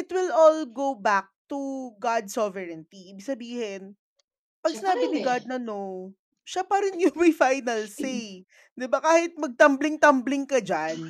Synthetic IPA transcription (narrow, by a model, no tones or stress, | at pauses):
ʔɪt̪wɪlʔɔlɡowbak̚t̪uɡad̪̚sɔvɛɹɛnt̪iʔiːbɪɡ̚sɐbiːhɪn | pɐɡ̚sɪnaːbɪnɪɡad̪̚nɐno | ʃapɐɾɪnjʊŋmɐjfajnɐlse | d̪ɪbakaːhɪt̪̚mɐɡ̚t̪ɐmblɪŋt̪ɐmblɪŋkɐd͡ʒan